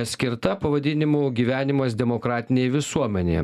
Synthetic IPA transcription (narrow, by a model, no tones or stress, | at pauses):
sʲkʲɪɾt̪ɐpɐʋɐd̪ʲɪnʲɪmuːɡʲiːʋʲæːnʲɪmɐsd̪ʲɛmokɾɑːt̪ʲɪnʲeːjʋʲɪsuɔmʲɛnʲḛj